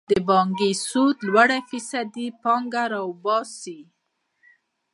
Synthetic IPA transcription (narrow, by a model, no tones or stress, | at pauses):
d̪əbɑŋɡisut̪lwaɽafisad̪ipɑŋɡaɾawbɑsi